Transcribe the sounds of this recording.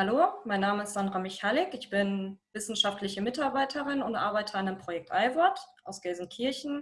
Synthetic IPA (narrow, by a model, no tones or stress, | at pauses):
haloːmaɪnːaːməɪstz̥andʁamɪçhalɪkɪçb̥ɪnvɪsn̩ʃaftlɪçəmɪtaɐbaɪtʰəʁɪnʊntʔa̰ɐbaɪtʰɐandeːmpʁ̥ojɛk̚tʔaɪvɔɐtʔaʊsɡ̥ɛzn̩kʰɪɐçn̩